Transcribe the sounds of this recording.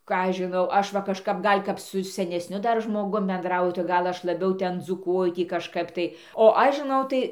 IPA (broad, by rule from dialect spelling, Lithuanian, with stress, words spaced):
ˈkɑː ˈɐʃ ʒʲɪˈnɐʊ ˈɐʃ ʋɐ kɐʃˈkɐp ˈɡɐlʲ kɐp sʊ sʲɛnʲɛsʲˈnʲʊ ˈdɐr ʒmoːˈɡʊm bʲɛnˈdrɐʊjʊ tɐɪ ˈɡɐlˠ ˈɐʃ lˠɐˈbʲɛʊ ˈtʲɛn d͡zuːˈkuɔjʊ ˈtʲiː kɐʃˈkɐp tɐɪ oː ˈɐʃ ʒʲɪˈnɐʊ tɐɪ